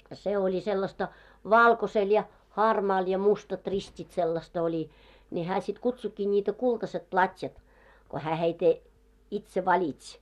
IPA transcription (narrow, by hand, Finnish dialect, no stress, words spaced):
se olʲi selːɑstɑ ʋɑˑlkosel jɑ hɑˑrmɑːl jɑ mustɑt ristʲit selːɑst olʲi nʲi hæː sit kutsukːiː nʲiːtæ kultɑset plɑtʲjɑt ko hæː heite itse ʋɑlʲitsʲ